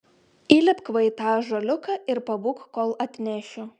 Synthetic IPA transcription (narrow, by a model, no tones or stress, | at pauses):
iːlʲɪpkʋɐɪt̪ɑːʒɐlʲʊkɐɪɾpɐʋʊːkkoːlˠɐt̪ʲnʲæʃʲʊ